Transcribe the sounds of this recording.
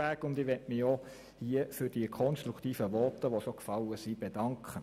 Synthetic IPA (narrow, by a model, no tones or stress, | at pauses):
æːkʊndɪʋɛtmɪo | hiəfʏɾd̥iəkʰɔnstɾukt̪iːfəʋɔtəʋosokfɑləsib̥ed̥ɑŋkʰχə